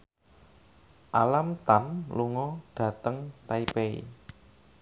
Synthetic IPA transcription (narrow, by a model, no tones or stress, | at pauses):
ʔalamt̪anluŋɔɖ̥ä̤t̪əŋt̪aipeḭ